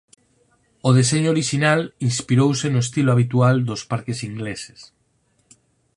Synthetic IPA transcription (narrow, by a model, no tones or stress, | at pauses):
oð̞eseɲooɾiʃinalinspiɾowsenoest̪iloaβ̞it̪uald̪ospaɾkesiŋɡlese̥s